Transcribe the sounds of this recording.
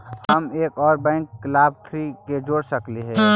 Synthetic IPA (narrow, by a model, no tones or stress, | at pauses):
həmeːkɔːɾbɛ̃ːŋkːlaːb̚t̪ʰɾiked͡ʒoːɽsəkliɦɛː